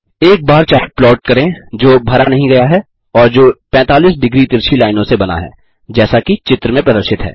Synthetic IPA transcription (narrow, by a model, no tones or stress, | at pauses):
eːk̚baːɾt͡ʃaːɪplɔːʈ̚kɐɾẽd͡ʒoːbʱɐɾanɐɦĩɡɐjaɦɛ | ɔːɾd͡ʒoːpɛ̃ːt̪aːliːsɖɪɡɾit̪ɪɾʃʰilaːɪnõsebɐna̰ɦɛ̰ː | d͡ʒɛːsakit͡ʃɪt̪ɾəmẽpɾɐd̪əɾʃɪt̪ɦɛ̰ː